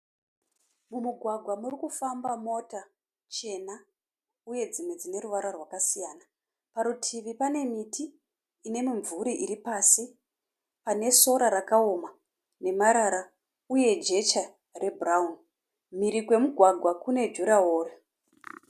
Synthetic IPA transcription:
mumuɡʱwaɡʱwamurikufambamo̞ta | t͡ʃe̞na | uje̞d͡zimwe̞d͡zine̞ɾuʋaɾarwakasijaːna | paɾutʰiʋipane̞mitʰiː | ne̞miɱvuɾiʔiɾipasi | pane̞so̞ɾaɾakaoma | ne̞maɾaɾa | uje̞d͡ʒe̞t͡ʃa | rʔe̞buraun | miɾikwe̞muɡʱwaɡʱwakune̞d͡ʒuɾaoːre

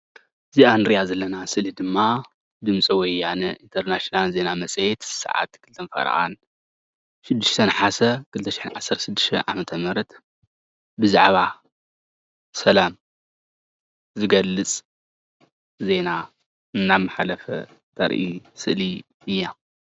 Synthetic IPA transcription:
ziʔanɨɾijazɐlːɐnasɨʔlid̪ɨmːa | d̪ɨmt͡sʼiwɔjːanɐʔint̪ʰɐɾnaʃinalze̞namɐt͡sʼjɛt̪sa̰ʕa̰t̪kʰɨlt̪ʰɐnfɐ̰ɾ̰ʔa̰n | ʃɨd̪ːɨʃt̪ʰɐnħasɐkʰɨlt̪ʰɐʃɪ̥ħɨnʕa̰sːɐɾt̪ʃɨd̪ːɨ̥ʃt̪ʰɐ̰ʕa̰mɐt̪ʰɐmɨɾɐt̪ | bɨza̰ʕβa | sɐlam | zɨɡɐlːɨt͡sʼ | ze̞na | ɨnːamaħalɐfɐ̰ | t̪ʰɐ̰ɾʔisɨ̰ʔli | ɨjːa

